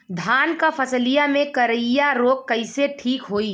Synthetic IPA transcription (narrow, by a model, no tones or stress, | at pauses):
d̪ʱaːnkapʰəslijamẽkəɾəjaɾoːkkəɪseʈʰiːkɦoːi